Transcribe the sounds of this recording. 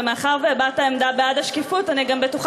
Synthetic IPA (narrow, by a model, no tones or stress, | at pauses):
meaχaʁvebataemdabeadaʃkifutaniɡambetuχ